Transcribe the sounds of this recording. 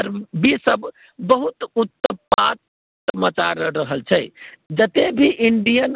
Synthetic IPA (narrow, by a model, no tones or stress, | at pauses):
əɾbisəb | bəɦut̪ut̪ːəpat̪ː | əmət͡ʃaɾəːəɦəlt͡ʃʰɛɪd͡ʒət̪ebʱiʔiɳɖijən